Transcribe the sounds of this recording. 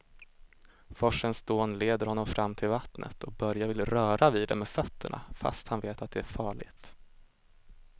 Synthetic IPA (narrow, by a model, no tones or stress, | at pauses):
fɔʂənsd̪oːnleːd̪əɾhɔnːɔmfɾʔamːt̪ʰɪlvat̪nʔə̰t̪ʰɔk̚bœɾjavɪlɾœːɾaviːd̪ɛmeːfœt̪ːə̰ɳʔa̰fa̰st̪hanveːt̪at̪̚d̪ɛæɾfɑːɭɪ̰ɡt̪